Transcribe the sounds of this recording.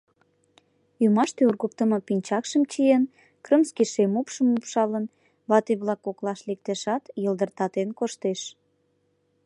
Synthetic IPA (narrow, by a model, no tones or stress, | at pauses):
jumɑʃt̪eurɣək̚t̪əmɤ̆pinʲt͡ɕɑkʃəmt͡ɕijen | krə̆mskiʃemupʃəmːupʃɑlən | βɑt̪eβlɑkoklɑʃlek̚t̪eʃɑt̪jəld̪ərt̪ɑt̪enkoʃt̪eʃ